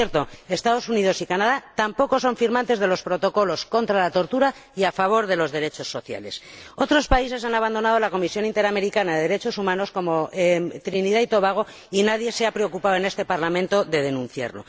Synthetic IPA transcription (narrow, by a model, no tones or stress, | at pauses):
eɾt̪o̞est̪að̞o̞sunið̞osikanað̞at̪ampo̞ko̞so̞ɱfiɾmãnt̪e̞zð̞e̞lo̞spɾo̞t̪o̞ko̞lo̞sko̞nt̪ɾalat̪o̞ɾt̪uɾaiafaβ̞o̞ɾðe̞lo̞zðe̞ɾe̞t͡ʃo̞sːo̞θja̰le̞̰so̞t̪ɾo̞spaise̞s̬anaβand̪o̞nað̞olako̞misjo̞nint̪e̞ɾame̞ɾikanaðeðeɾe̞t͡ʃo̞sumãno̞sko̞mo̞t̪ɾiniðait̪o̞βaɣ̞o̞ | inaðje̞seapɾe̞okupawe̞ne̞st̪e̞paɾlamẽnt̪o̞ðe̞ð̞e̞nũnθja̰ɾlo̞̰